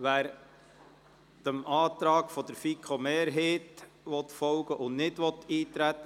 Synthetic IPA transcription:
ʋæːɾ | d̥əmɑːt̪ɾɑːɡ̥fɔd̪əɾfikʰomeːɾɦeːt | ʋɔtfɔlɡəʔʊnnɪdʋɔtiːt̪ɾætːə

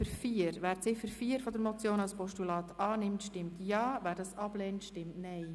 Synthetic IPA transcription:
əɾfiəɾʋæːɾt͡sɪfəɾfiːəɾfɔdəɾmɔt͡sjoːnɑlspɔʃtulɑːt̪ɑːnɪmtʃtɪmtjɑːvæːɾdɑsɑb̥lɛːntʃtɪmtnɛɪ

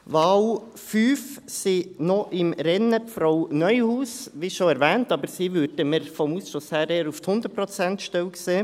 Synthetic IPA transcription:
ʋɑːʊ | fyːfsinɔʔɪmɾɛnəfɾɔʊnœʏhuːsʋiʃoɛɾʋɛːntɑːbəɾsiʋʏɾdəməɾfɔmuːsʃoshæːɾeːɾuft̪hʊnd̪ətpɾɔt͡sɛnt̪ʃtɛlkseː

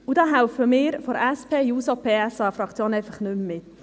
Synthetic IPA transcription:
udɑːɦaʊfəmɪːɾfɔɾɛspʰeːjuːsopʰeːɛsɑːfɾɑkt͡sjoːnɛɪfɑχnʏmmɪt̪

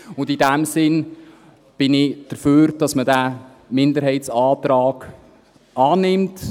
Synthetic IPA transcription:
ʊndidæmsɪn | b̥ɪnɪd̥əɾføːɾd̥ɑsmədæː | mɪndəɾɦɛɪtsɑːt̪ɾɑːɡ̥ | ɑːnɪmt

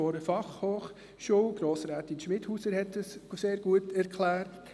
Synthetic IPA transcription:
ɔɾəfɑχhoːχ | ʃuɡ̥ɾoːsɾæːtinʃmɪthuːsəɾhɛtəsseːɾɡ̥uətæɾkʰlæːɾt

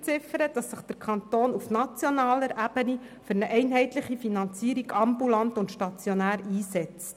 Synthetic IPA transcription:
t͡sɪfəɾəd̥ɑsːəχd̥əɾkʰɑnt̪oːnufnɑt͡sjɔnɑːləɾʔæbəni | fɵɾnəʔɛɪnɦɛɪt̪ləχifinɑnt͡siːəɾiɡɑmbulɑntʊntʃtɑt͡sjɔnæːɾiːsɛt͡s

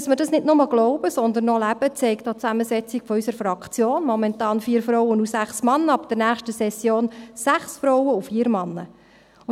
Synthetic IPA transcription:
sməɾdɑsnɪtnʊməɡ̥lɔʊb̥əsɔnd̪ənːɔlæb̥ət͡sɛɪkd̥̪ɑːt͡sæməsɛt͡sikfɔysəɾfɾɑkʰt͡sjoːnmɔmɛntɑːnfiːəɾfɾɔwənusæχsmɑnːəɑpd̥əɾnæːχʃtəsɛsjoːnsæχsfɾɔwəufiːəɾmɑnːə̰

